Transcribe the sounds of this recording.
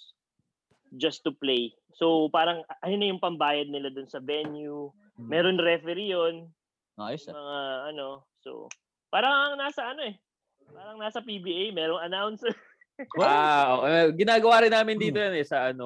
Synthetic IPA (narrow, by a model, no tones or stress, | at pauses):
d͡ʒɐst̪uplej | so̞wpaːɾɐŋʔɐj̪onɐjʊŋpɐmbaːjɐd̪̚nɪlad̪ʊnsɐvɛnju | mɛːɾonɾɛfɛɾijonː | jmɐŋaʔɐno̞so̰ | paːɾɐŋnaːsɐɐno̞ɛ | paːɾɐŋnaːsɐpibiʔejmɛːɾoŋɐnawns | aoːʔeɡɪnaːɡɐwaːɾɪnːaːmɪnd̪iːt̪ojanɛsɐʔɐno